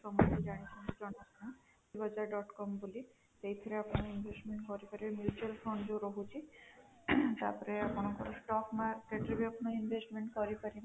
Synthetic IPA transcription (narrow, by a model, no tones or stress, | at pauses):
ʃɔmot̪id͡ʑaɽ̃it͡ʃʰind͡ʒɔnakna | ibad͡ʑaɾɖɔʈkɔmbuli | t̪ejt̪ʰɔɾeapnoinbʱesʈmẽɳʈkɔɾipaɾibemjut͡ʃualfɾɔɳd͡ʑoɾoɦut͡ʃʰi | t̪aɾpɔɾeakonokɔ̰ɾosʈɔknaɾkeʈɾibiapnoinbʱesʈmeɳʈkɔɾipaɾi